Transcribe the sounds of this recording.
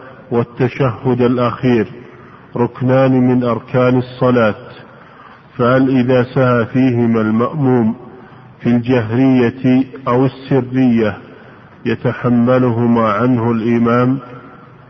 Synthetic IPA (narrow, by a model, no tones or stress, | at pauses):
wat̪ːaʃahːʊd̪alʔaxiːɾ | ɾˤʊknaːnmɪnʔɑɾˤkʰaːnɑsˤːɑlaːt̪ | fahalʔɪðaːsahaːfiːɦɪmaːlmaʔmuːm | fild͡ʒaɦɾɪjːaʔawɪsːɪrːɪjːa | jat̪aħamːalʊɦʊmaːʕanhʊlʔɪmaːm